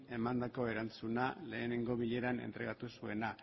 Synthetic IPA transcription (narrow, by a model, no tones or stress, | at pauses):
e̞mand̪ako̞e̞ɾant͡sunale̞ːne̞ŋɡo̞β̞iʎe̞ɾane̞̰nt̪ɾe̞ɣat̪usue̞na